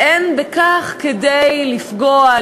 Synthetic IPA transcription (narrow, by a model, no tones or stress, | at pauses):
ʔenbekaχkedejlifɡoa